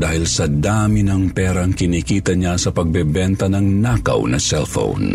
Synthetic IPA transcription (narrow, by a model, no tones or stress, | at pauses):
d̪aːhɪlsɐd̪aːmɪnɐŋpɛɾɐŋkɪnikiːt̪ɐɲasɐpɐɡ̚bɛbɛnt̪ɐnɐŋnakɐ̰wnɐ̰sɛlfo̰wn